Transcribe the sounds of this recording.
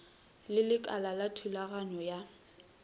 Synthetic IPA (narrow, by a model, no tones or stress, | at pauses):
lɪlɪkʼalalatʰulaɣaɲɔja